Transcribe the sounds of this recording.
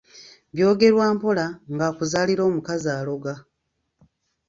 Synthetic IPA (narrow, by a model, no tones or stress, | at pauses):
βjo̞ːɡe̞ɾwaːmpo̞laŋɡaːkuzaːliɾo̞ːmukazaːlo̞ɡa